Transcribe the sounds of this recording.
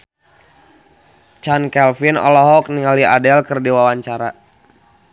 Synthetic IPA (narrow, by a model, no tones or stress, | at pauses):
t͡ʃankɛlfinɔ̰lɔɦɔk̚niŋalia̰dɛlkərdiwawaɲt͡ʃaɾa